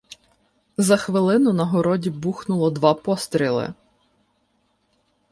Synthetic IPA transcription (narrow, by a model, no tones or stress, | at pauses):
zɐxʋɪlˠɪnʊnɐɦɔɾɔdʲibuxnʊlˠɔd̪ʋɑpɔst̪ɾʲilˠɪ̰